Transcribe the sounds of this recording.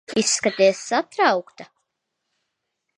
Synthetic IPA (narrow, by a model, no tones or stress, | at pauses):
isːkat̪ʲeːsːat̪ɾawkt̪a